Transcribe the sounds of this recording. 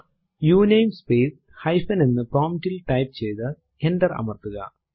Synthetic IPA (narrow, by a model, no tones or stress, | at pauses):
juːnejmspeːs | hɐjfɐninːɨproːmtːilʈɐjp̚t͡ɕe̞jt̪ɨ | enɖɐrɐ̰mɐrt̪uɣɐ̰